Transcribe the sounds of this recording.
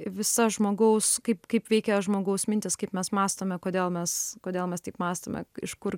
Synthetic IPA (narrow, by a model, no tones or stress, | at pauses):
ʋʲɪsɐʒmoːɡɐʊskɐɪpkɐɪpʋʲɛɪkʲɛʒmoːɡɐʊsmʲɪnʲt̪ʲɪskɐɪpmʲɛsmɑːst̪oːmʲɛkoːd̪ʲeːlˠmʲɛskoːd̪ʲeːlˠmʲɛst̪ɐɪpmɑːst̪oːmʲɛ̰ɪʃkʊr